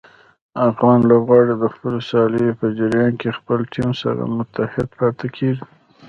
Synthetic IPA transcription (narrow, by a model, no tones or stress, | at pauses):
afɣɑnlobɣɑɽed̪əxpəlosɑləjopəd͡ʒaɾjɑnkexpəlʈʰimsa̰ɾa̰mʊt̪ahɪd̪pɑt̪akʰeʒi